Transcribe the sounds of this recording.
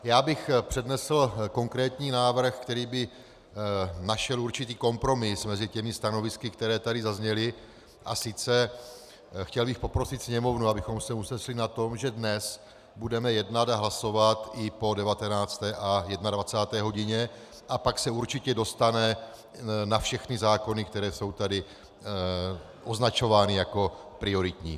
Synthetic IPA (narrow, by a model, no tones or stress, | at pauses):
jaːbɪxpr̝̥ɛdnɛsl̩ko̞ŋkɾɛːt̪ɲiːnaːvr̩xkt̪ɛɾiːbɪ | naʃɛluɾt͡ʃɪt̪iːko̞mpɾo̞mɪsmɛzɪcɛmɪst̪ano̞vɪskɪkt̪ɛɾɛːt̪adɪzazɲɛlɪ | ʔa̰sɪt͡sɛ | xcɛlbɪxpo̞pɾosɪt̪sɲɛmo̞vnuabɪxo̞msɛusɛʃlɪnat̪o̞mʒɛdnɛs | budɛmɛjɛdnadaɦlaso̞vat̪ʔɪpo̞dɛvat̪ɛnaːt͡st̪ɛːʔajɛdnadvat͡saːt̪ɛːɦo̞ɟɪɲɛ | ʔapaksɛuɾt͡ʃɪcɛdo̞st̪anɛ | nafʃɛxnɪzaːko̞nɪkt̪ɛɾɛːso̞wt̪adɪ | ʔoznat͡ʃo̞vaːnɪjako̞pɾɪo̞ɾɪt̪ɲḭː